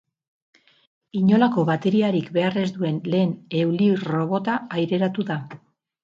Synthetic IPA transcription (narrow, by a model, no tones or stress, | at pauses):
iɲo̞lako̞βat̪e̞ɾiaɾikbe̞are̞zd̪ue̞nle̞ːne̞wliro̞βo̞t̪aːjɾe̞ɾat̪uða